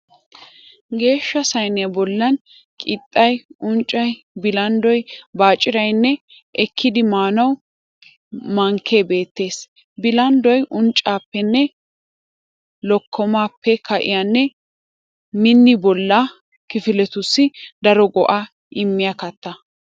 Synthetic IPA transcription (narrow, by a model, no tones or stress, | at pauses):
ɡe̞ːʃːɐsɐjnɪɐbɔlːɐn | kʼɪt̪ʼːɐjʊnt͡ʃʼːɐj | bɪlɐnd̪ɔjbaːt͡ʃʼːɪɾɐjnːɛ | ʔɛkʰːɪd̪ɪmaːnɐw | mɐŋkʰːe̞ːbe̞ːt̪ːe̞ːs | bɪlɐnd̪ɔjʔʊnt͡ʃʼːaːpːɛnːɛ | lɔkʰːɔmaːpːɛkɐʔɪ̰janːɛ | mɪnːɪbɔlːa | kɪfɪlɛt̪ʊsːɪd̪ɐɾɔɡɔʔa | ʔɪmːɪjɐkɐt̪ːɐ